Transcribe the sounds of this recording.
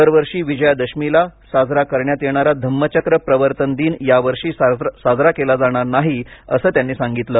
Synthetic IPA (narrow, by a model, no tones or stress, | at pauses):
əɾʋəɾʂiːʋid͡ʑəjad̪əɕmilasad͡zɾakəɾɳjat̪jeɳ̃aɾad̪ʱəmːət͡ɕəkɾəpɾəʋəɾt̪ənd̪iːnjaʋəɾʂiːssad͡zɾakelad͡zaɽ̃aɾnaɦiə̰səːt̪janːiːsaŋɡit̪ləː